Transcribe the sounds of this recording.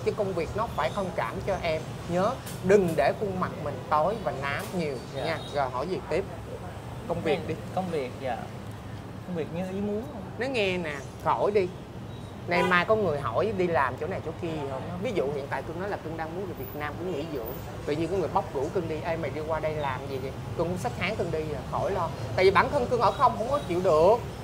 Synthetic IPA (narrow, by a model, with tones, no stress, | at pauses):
t͡ɕɨ˨˦kə˧wŋ͡mvi˨˩ək̚nɔ˨˦faː˧˩jxə˧wŋ͡mkaː˧˩mt͡ɕɔ˧ʔɛ˧m | ɲəː˨˦ | ɗɨ˨˩ŋɗe˧˩kʊ˧ŋma˨˩t̚mï˨˩ŋ̟t̪o˨˦jvaː˨˩naː˨˦mɲi˨˩əwɲaː˧zɔ˨˩jɦɔ̰˧˩jzi˨˩t̪i˦˥p̚ | kə˧wŋ͡mvi˨˩ək̚ɗi˧kə˧wŋ͡mvi˨˩ək̚a̰ː˧˨ | kə˧wŋ͡mvi˨˩ək̚ɲɨ˧ʔi˨˦mu˨˦nhwŋ͡mnɔ˨˦ŋɛ˧naː˨˩ | xo˧˩jɗi˧ | na˨˧˩jmaː˧jkɔ˧˦nŋɨ˨˩əjɦɔ˧˩jɗi˧laː˨˩mt͡ɕo̰˧˥˦na˨˩jt͡ɕo˧˦ki˧i˨˩hə˧wŋ͡mvi˨˦zṵ˧˨hḭ˧˨ənt̪a̰ː˧˨kɨ˧əŋnɔ˨˦laː˨˩kɨ˧ŋɗaː˧ŋmu˨˦ənve˨˩vi˨˩t̚naː˧mkṵ˧˩əŋḭ˧˥zɨ̰˧˨˥əŋ | t̪ɨ̰˧˨ɲi˧kɔː˨˦ŋɨ˨˩əjɓa˦˥wk͡p̚ɣu˧˩kɨ˧ŋɗi˧ʔə˧jmaː˨˩ɗi˧kwaː˧ɗə˧jlaː˨˩mzi˨˩zi˨˩kɨ˧əŋkŋ͡msa˦˥t̚haː˨˦ŋkɨ˧ŋɗi˧aː˨˩xo˧˩jlɔ˧t̪a̰ː˧˨jvi˨ɓaː˧˩nkʰə˧ŋkɨ˧əŋʔəː˧˩xə˧wŋ͡mɦə̰˧˥wŋ͡mkɔ˨˦t͡ɕḭ˧˨əwɗɨ˨˩ək̚